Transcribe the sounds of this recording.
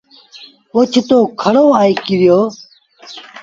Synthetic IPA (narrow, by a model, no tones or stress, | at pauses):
ot͡ʃʰt̪oːkʰəɽoːaːiːkiɾjoː